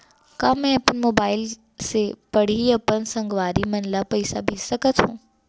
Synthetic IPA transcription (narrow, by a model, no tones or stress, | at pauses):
kaːmɛ̃ɐpənmoːbaːɪl | sepɐɽ̤iɐpənsɐ̃ŋɡʋaːɾimɐnlapɐisa̰bʱisɐkət̪ɦũː